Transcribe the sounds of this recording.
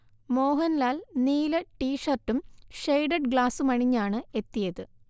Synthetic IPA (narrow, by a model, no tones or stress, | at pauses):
mo̞ːɦɐnlaːlniːlɐʈiːʂɐrʈːumʂejɖɐɖɡɭaːsumɐɳiɲːaːɳɨe̞t̪ːijɐðɨ